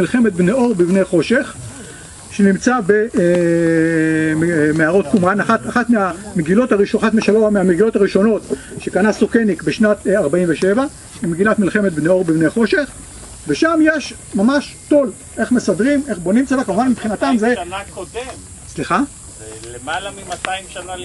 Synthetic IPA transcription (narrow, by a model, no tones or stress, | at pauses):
ilχe̞me̞t̪̚bneo̞ʁbivnejχo̞ʃeχ | ʃenimt͡sabe | meaʁo̞t̪kumʁanaχataχat̪meameɡilo̞t̪haʁiʃaχat̪meʃaloameameɡilotaʁiʃo̞no̞t̪ʃe̞kanasokenikbe̞ʃnat̪aʁbaiɱveʃeva | imeɡilat̪milχe̞me̞t̪̚bneo̞ʁbivnejχo̞ʃe̞χ | veʃamjeʃ | mamaʃto̞l | ʔe̞χme̞sadʁime̞χbo̞nimt͡sevakamuvanmipχinat̪amze | sliχa